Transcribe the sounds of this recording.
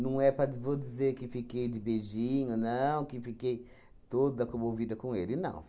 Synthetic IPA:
nɐ̃w̃ɛpɾɐvod̪izeɾkɪfikejd̪ɪbeʒĩɲʊnɐ̃w̃kɪfikej | t̪od̪ɐkõmovid̪ɐkõelɪnɐ̰̃w̃

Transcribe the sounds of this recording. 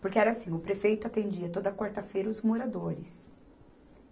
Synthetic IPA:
poɾkɪɛɾɐasĩŋʊpɾefejt̪ʊat̪ẽd͡ʒiɐt̪od̪ɐkwaɾt̪ɐfejɾɐʊzmoɾad̪oɾɪs

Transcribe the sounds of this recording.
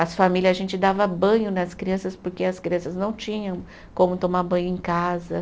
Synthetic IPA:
ɐsfamilʲjɐzɐʒẽnt͡ʃɪd̪avɐbɐ̃ɲʊnɐskɾiɐ̃sɐspoɾkeɐskɾiɐ̃sɐznɐ̃w̃t͡ʃĩɲɐ̃w̃ | kõmʊt̪omaɾbɐ̃ɲʊẽkazɐ

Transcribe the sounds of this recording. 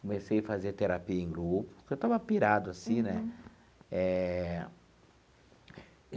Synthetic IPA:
komesejafazeɾt̪eɾapiɐẽɡɾupʊ̥kewt̪avɐpiɾad̪ʊasĩnɛ | ɛ

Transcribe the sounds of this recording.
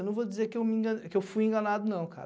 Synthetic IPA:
nɐ̃w̃vod͡ʒizeɾkɪewmĩɡɐkɪewfujẽɡɐnad̪ʊnɐ̃w̃ka̰ɾ

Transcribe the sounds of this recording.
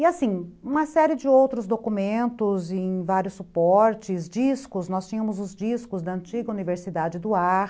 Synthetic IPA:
ɪasĩũmɐsɛɾɪd͡ʒɪowt̪ɾʊzd̪okumẽnt̪ʊzẽjj̃vaɾjʊsːupɔɾt͡ʃɪzd͡ʒiskʊznɔst͡ʃĩɲɐmʊzʊzd͡ʒiskʊzd̪ɐɐ̃nt͡ʃiɡɐuniveɾsid̪ad͡ʒɪd̪ʊaɾ

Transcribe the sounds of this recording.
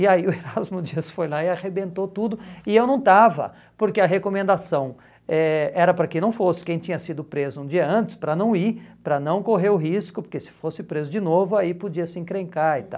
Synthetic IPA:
ɪaiʊeɾazmʊd͡ʒisfojlaɪaʁebẽnt̪ot̪ud̪ʊɪewnɐ̃w̃t̪avɐ̰ | poɾkeɐɦekomẽnd̪asɐ̃w̃ | ɛɛɾɐpɾɐkɪ̃nɐ̃w̃fosɪ̥kẽj̃t͡ʃĩɲɐsid̪ʊpɾezʊũd͡ʒiɐɐ̃nt͡ʃɪ̥spɾɐnɐ̃w̃iɾpɾɐnɐ̃w̃koɦeɾʊɦiskʊpoɾkesɪ̥fosɪpɾezʊd͡ʒɪnovʊaipod͡ʒiɐsẽkɾẽŋkaɾɪt̪a̰w

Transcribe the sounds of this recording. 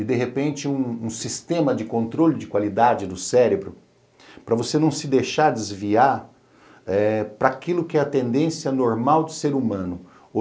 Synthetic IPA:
ɪd̪eɦepẽnt͡ʃɪũũsist̪ẽmɐd͡ʒɪkõnt̪ɾolɪd͡ʒɪkwalid̪ad͡ʒɪd̪ʊsɛɾebɾʊ | pɾɐvosenɐ̃w̃sɪd̪ejʃaɾd͡ʒɪzviaɾ | ɛpɾɐːkilʊkɪɛɐt̪ẽnd̪ẽsjɐnoɾmawd̪ʊseɾumɐ̃nʊ | o

